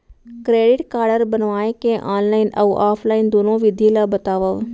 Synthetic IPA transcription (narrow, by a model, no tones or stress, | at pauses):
kɾeːɖɪʈkaːɾɖəɾbənʋaːẽkẽʔaːnlaːɪnɐ̰ʋʔaːpʰlaːɪnd̪oːnoʋɪd̪ʱilabɐt̪aːʋəʋ